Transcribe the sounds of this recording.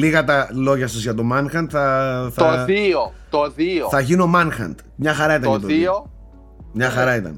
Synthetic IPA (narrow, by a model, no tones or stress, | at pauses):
liɣɐt̪ɐlo̞ʝɐst̪uzʝɐt̪omɐnxɐnt̪θɐθoio | t̪oðioθɐʝinomɐnxɐ̰nt̪mɲɐxɐɾɐit̪ɐnɐt̪oio | mɲɐxɐɾɐit̪ɐ̰n